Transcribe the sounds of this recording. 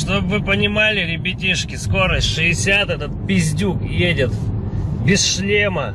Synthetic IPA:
ʂt̪o̞bvɨpənʲɪmalʲɪlʲɪbʲɪtʲiʂkʲɪsko̞ɾəsʲtʲʂɨɪsʲat̪ɛt̪ət̪̚pʲɪzʲdʲukjedʲɪt̪bʲɪsʂlʲemə

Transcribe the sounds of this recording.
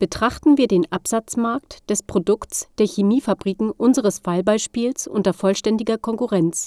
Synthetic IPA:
b̥ətʁ̥aχtn̩viːɐdeːnʔapz̥at͡smaɐktd̥ɛspʁ̥odʊksd̥eːɐçemiːfabʁiːkŋ̩ʔʊnzəʁəsfaɪlbaɪʃpiːlsʔʊntɐfɔlʃtɛndɪɡɐkʰɔŋkuʁɛnt͡s

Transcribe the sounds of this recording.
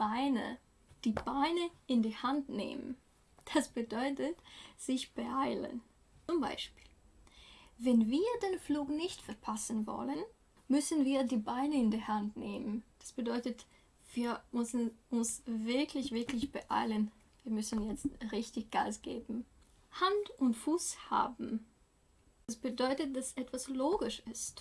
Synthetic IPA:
b̥aɪnə̰ | d̥iːbaɪnəʔɪndiːhantnḛːmə̰n | d̥asb̥ədɔʏtətz̥ɪçb̥əʔaɪlə̰n | t͡sʊmba̰ɪʃpi̥ːl | vɛnviːɐdeːnfluːknɪçtfɛɐpʰasn̩vɔ̰lən | mʏsn̩viːɐdiːbaɪnəɪndiːɐhantneːmənd̥asb̥ədɔʏtət | v̥iːɐmʏsn̩ʊnsvɪɐkʰlɪçv̥ɪɐklɪçb̥əʔa̰ɪlən | viːɐmʏsn̩jɛt͡stʁɪçtɪçɡ̥a̰ːsɡ̥ḛːbm̩ | hantʊntfuːsha̰ːbm̩ | asb̥ədɔʏtət̚d̥asʔɛtv̥asloːɡɪʃɪst

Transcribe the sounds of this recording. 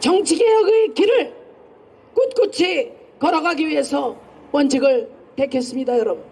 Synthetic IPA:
t͡ɕʌŋt͡ɕʰiɡejʌɡɯkiɾɯɭ | k͈ut̚k͈ut͡ɕʰi | kʌɾʌɡaɡiɥiɦe̞sʰʌ | pʌnd͡ʑʰiɡɯɭpekʰes͈ɯmɲidajʌɾʌbun

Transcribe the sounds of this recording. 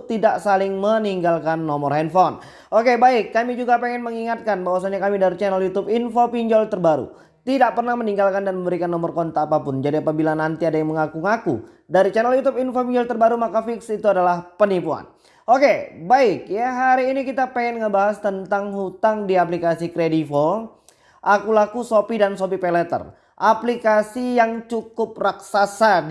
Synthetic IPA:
t̪idaʔsalɪŋməniŋɡalkanːɔmɔrɦɛnfɔn | okebaɪkːamid͡ʒuɡapeŋɛnməŋiŋat̪̚kanbawasanɲakamidaɾit͡ʃɛnɛljut̪ʊpinfopiɲd͡ʒɔlt̪ərbaɾṵ | t̪idaʔ̚pərnahməniŋɡalkandanməmbəɾikanːɔmɔrkɔnt̪aːpapʊnd͡ʒadiapabilanant̪iadajaŋməŋakuŋakṵ | daɾit͡ʃɛnəljut̪ʊpinfopiɲd͡ʒɔlt̪ərbaɾumakafɪksit̪uadalahpənipua̰n | ʔokebaɪk̚jaɦaɾiːnikit̪apeɛnŋəbaɦast̪ənt̪aŋhut̪aŋdiap̬likasikɾedifo | ʔakulakusopidansopipɛlɛt̪ə̰r | ʔaplikasijaŋt͡ʃukʊp̚raksasa

